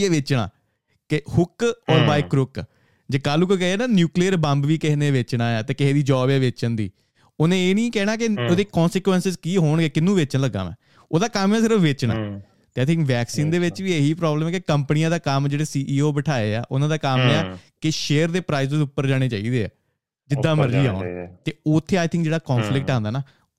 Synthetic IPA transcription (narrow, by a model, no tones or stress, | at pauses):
eːʋɪt͡ʃɽa̰ː | kɪhʊkɔːɾbaːɪkɾʊk | d͡ʒeːkaːluːkokɛɦɛːnaːnjuːkliːəɾbə̃mbʋiːkɪɦneːʋeːt͡ʃɽaːjaːt̪eːkɪɦeːd̪iːd͡ʒɔːbɛːʋeːt͡ʃənd̪ḭː | oːnẽːeːnĩːkɛːɽ̃aːk̬ɪoːd̪eːkɔ̃ːnsɪkʋɛnsɪzkiːɦoːɳɡeːkɪnːũːʋeːt͡ʃnləːɡə̰ːmɛ̰̃ː | oːd̪aːkəmaːsɪɾəfʋeːt͡ʃɽa̰ː | t̪eːaːjt̪ɪŋkʋɛːksiːnd̪eːʋɪt͡ʃʋiːeɦiːpɾɔːbləmɛːkɪkəmpənijãːd̪aːkəmd͡ʒeːɽeːsiːʔiːoːbəʈʰaːeːa̰ːʔʊnãːd̪aːkəmaːkɪʃeːəɾd̪eːpɾaːɪzd̪eːʊpːəɾd͡ʒaːɽ̃eːt͡ʃaːḭːd̪eːa̰ː | d͡ʒɪd̪ːaːməɾːiːaːnt̪eːoːt̪ʰːeːaːɪt̪ʰɪ̃ŋkd͡ʒeːɽaːkɔːnfʰlɪk̚ʈaːnd̪aːnaː